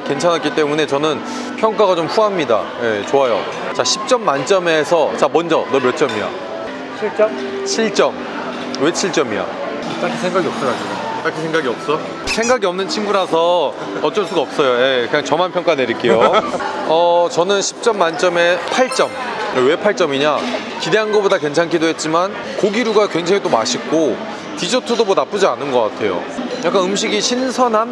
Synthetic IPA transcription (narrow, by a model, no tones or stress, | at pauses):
ke̞nt͡ɕʰanɦak͈it͈e̞mune̞t͡ɕʌnɯn | pʰjʌŋk͈aɣat͡ɕomɸuɦamɲida̰je̞t͡ɕoajo̰ | t͡ɕaɕʰi̥p̚t͡ɕ͈ʌmːant͡ɕ͈ʌme̞sʰʌt͡ɕamʌnd͡ʑʌnʌmjʌt͡ɕ͈ʌmia̰ | t͡ɕʰiɭt͡ɕ͈ʌm | t͡ɕʰiɭt͡ɕ͈ʌm | we̞t͡ɕʰiɭt͡ɕ͈ʌmia̰ | t͈akʰisʰeŋɡaɡiʌp̚s͈ʌɾad͡ʑonot͈akʰisʰeŋɡaɡiʌp̚s͈ʌ | sʰe̞ŋɡaɡiʌmnɯnt͡ɕʰinɡuɾasʰʌ | ʌt̚t͡ɕ͈ʌɭs͈uɡaʌp̚s͈ʌjojekɯɲaŋt͡ɕʌmanpʰjʌŋk͈ane̞ɾik͈e̞jo | ʌt͡ɕʌnɯnɕʰi̥p̚t͡ɕ͈ʌmːant͡ɕ͈ʌme̞pʰaɭt͡ɕ͈ʌm | ewe̞pʰaɭt͡ɕ͈ʌmiɲa | kide̞ɦanɡʌbodakwe̞ŋt͡ɕʰaŋkʰidoɦet̚t͡ɕ͈iman | koɡiɾuɡakweŋd͡ʑʰeŋet͈omaɕʰik͈o | kid͡ʑotʰudomonap͈ud͡ʑianɯnɡʌk͈atʰe̞jo̰jak͈anɯmɕ̬ʰiɡiɕʰinsʰʌnɦan